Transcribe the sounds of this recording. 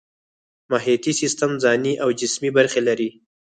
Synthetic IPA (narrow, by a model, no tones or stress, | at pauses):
maɦijat̪isɪst̪amzɑniʔawd͡ʒɪsmibaɾxelaɾi